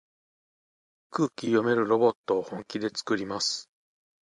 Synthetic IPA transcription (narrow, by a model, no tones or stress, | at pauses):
kɯːkʲijo̞me̞ɾɯ̟ɾo̞bo̞t̪ːo̞ːhõ̞ŋkʲid̪e̞t͡sɨ̥kɯ̟ɾʲimasɨ̥